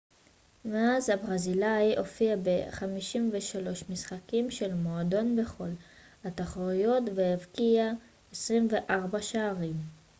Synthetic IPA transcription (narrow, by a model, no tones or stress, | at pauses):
veazhabʁazilajʔo̞fiabe̞χamiʃimve̞ʃalo̞ʃmisχakimʃe̞lmo̞ado̞nbe̞χo̞l | hat̪aχoʁijo̞t̪veevkia | esʁimve̞ʔaʁbaʃaːʁim